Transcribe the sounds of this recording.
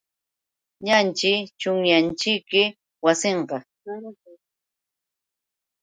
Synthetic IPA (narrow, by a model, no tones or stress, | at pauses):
ɲant͡ʃɪt͡ʃʊŋjant͡ʃɪkɪ | wasɪɴqɑ